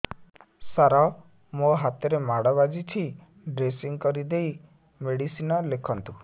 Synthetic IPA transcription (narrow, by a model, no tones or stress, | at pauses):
saɾɔ | moɦat̪ɔɾemaɽɔβad͡ʒit͡ʃʰi | ɖɾesiŋkɔɾid̪ej | meɽisinɔlekʰɔnt̪u